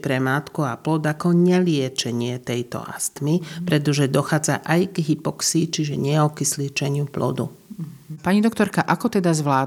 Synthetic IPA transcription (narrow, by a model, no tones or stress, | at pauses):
pɾɛmaːt̪kuaplɔd̪akɔɲɛlɪɛt͡ʃɛɲɪɛt̪ɛjt̪ɔ̰a̰st̪mipɾɛt̪ɔʒɛd̪ɔxaːd͡za̰ʔajɡɦipɔksit͡ʃiʒɛɲɛɔkislit͡ʃɛɲɪuplɔ̰d̪ṵ | paɲid̪ɔkt̪ɔɾkaʔakɔt̪ɛd̪azʋlaː